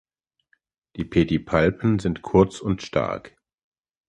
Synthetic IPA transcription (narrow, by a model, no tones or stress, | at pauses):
d̥iːpʰedipʰalpn̩zɪntkʰʊɐt͡sʊntʃtʰa̰ɐk